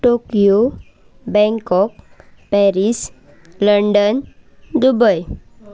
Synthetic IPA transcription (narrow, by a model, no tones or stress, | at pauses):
ʈokijo | bɛ̃ŋkɔk̚ | pɛɾis | ləɳɖənd̪ubəj